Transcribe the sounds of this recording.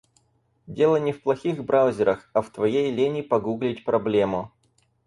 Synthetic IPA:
dʲe̞lˠənʲɪfplˠɐxʲixbɾʔaʊzʲɪɾəxɐft̪vɐjejlʲenʲɪpɐɡuɡlʲɪtʲpɾɐblʲe̞mʊ

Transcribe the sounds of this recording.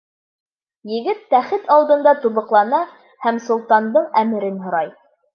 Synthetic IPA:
jɘ̆ɡɘt̪ːæχɘt̪ɑlˠd̪ɤ̆nd̪ɑt̪uβɤ̆qlˠɑnɑ | hæmsŏlˠt̪ɑnd̪ɤɴæmɘ̆ɾɘnɦŏɾɑj

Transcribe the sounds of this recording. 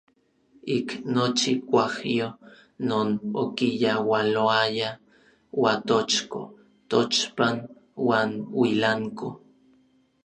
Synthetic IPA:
iknot͡ʃikʷahjo | noːnokijawaloaja | wat̪ot͡ʃko̰ | t̪ot͡ʃpan | waːnwilaŋko

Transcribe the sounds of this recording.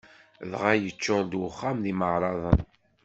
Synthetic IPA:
ðʁajət͡ʃːʊɾd̪wʊχːamðiməʕɾˤɑðˤən

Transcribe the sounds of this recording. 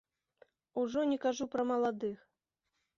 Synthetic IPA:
uʐɔnʲɛkaʐupɾɐmɐlˠad̪ɨx

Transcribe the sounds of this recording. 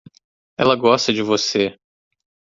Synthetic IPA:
ɛlɐɡɔst̪ɐd͡ʒɪvose

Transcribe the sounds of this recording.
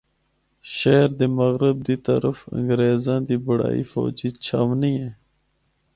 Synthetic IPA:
ʃeːɾd̪eːmɐɣɾɪb̚d̪it̪ə̰ɾəfə̰̃ŋɡɾeːzãːd̪iːbɐɽa̰ːḭːfo̰ːd͡ʑiːt͡ɕʰaːʋniːẽː

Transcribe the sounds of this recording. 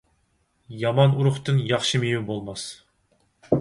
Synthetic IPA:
jɑmɑnuɾʊχt̪ɨnjɑχʃɨmejubolˠmɑs

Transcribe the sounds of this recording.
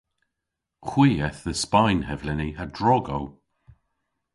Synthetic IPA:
xwiːɛθðəspajnhɛvlɛniadɹɔɡow

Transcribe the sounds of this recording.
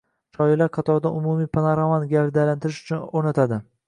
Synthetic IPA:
ʃʰɒjɪlaɾqʰɑt̪ʰɒɾd̪aʊmumipʰanaɾavanɡʲaɾd̪alant̪ʰɪɾɪʃʊ̥t͡ʃʰʊnoɾnat̪ʰad̪ɪ

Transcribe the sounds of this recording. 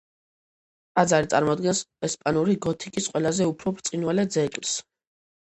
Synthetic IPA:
ad̪zaɾit̪sʼaɾmɔd̪ɡɛnsɛspʼanuɾiɡɔt̪ʰikʼisqʼwɛlazɛupʰɾɔbɾt̪sʼinwalɛd̪zɛkʼls

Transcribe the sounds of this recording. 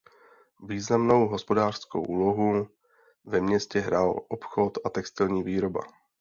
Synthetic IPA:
viːznamno̞wɦospo̞daːr̥sko̰wʔuːlo̞ɦu | vɛmɲɛscɛɦɾaːlʔopxo̞t̪ʔat̪ɛkst̪ɪlɲiːviːɾo̞ba̰

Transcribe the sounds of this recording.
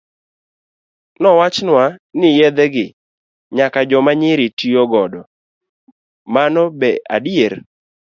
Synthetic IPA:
nɔwat͡ʃnwanɪjɛd̪ɛɡɪ | ɲakad͡ʒɔmaɲɪɾɪtioɡɔdɔ | manɔbɛa̰dieɾ

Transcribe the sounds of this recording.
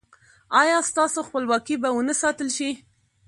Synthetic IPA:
ɑjɑst̪ɑsoxpəlwɑkibawənəsɑt̪əlʃi

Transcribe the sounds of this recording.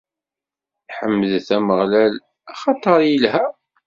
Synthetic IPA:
ħəmːəðθæməʁlæl | æχɑt̪ˤəɾˤjəlɦæ

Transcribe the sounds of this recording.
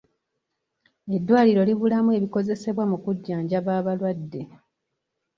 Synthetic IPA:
e̞dːwaːliɾo̞liβulamue̞βiko̞ze̞se̞βwamukuɟːaːɲɟaβaːβalwadːe̞

